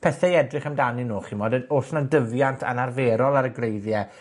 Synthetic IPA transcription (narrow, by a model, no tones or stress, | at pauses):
pʰɛθɛiɛdrɪχəmdaninuːχimɔdɛdoɬnadəvjantʰa̰narveːɾɔlˠaɾəɡrejðjɛ